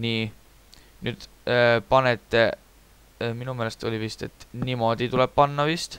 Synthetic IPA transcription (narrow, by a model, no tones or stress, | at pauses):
niː | nyːd̪̥ | pɑnet̪ːˑe̞ | minumelest̪o̞lʲivist̪e̞t̪ːˑnimo̞d̪̥it̪ule̞b̥̚pɑnːɑvist̪